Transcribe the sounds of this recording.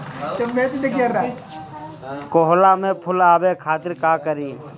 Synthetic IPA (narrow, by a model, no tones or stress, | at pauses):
t̪emet͡ʃd̪eɡeɾd̪a | koɦlamẽpʰʊlaːbekʰaːt̪ɪɾkaːkəɾiː